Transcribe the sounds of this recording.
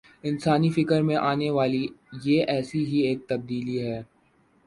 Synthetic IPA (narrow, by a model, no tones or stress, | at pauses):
ɪnsaːnifɪkəɾmẽʔaːneʋaːlijeʔɛːsiɦieːk̚t̪ɐb̚d̪iːliɦɛː